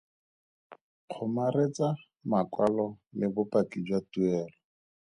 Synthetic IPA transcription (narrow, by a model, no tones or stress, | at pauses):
q͡χʰʊmaret͡sa | makwalɔlɪbʊpakid͡ʒwatuɛːlɔ